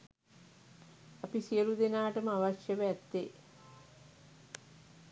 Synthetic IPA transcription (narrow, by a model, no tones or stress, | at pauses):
apisijəɾud̪enaːʈəməaʋaʃjəʋɛt̪ːe